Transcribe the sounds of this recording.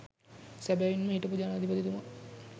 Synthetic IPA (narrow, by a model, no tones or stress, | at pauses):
sæbæʋinməiʈəpud͡ʒaːnːd̪ipɐd̪it̪uma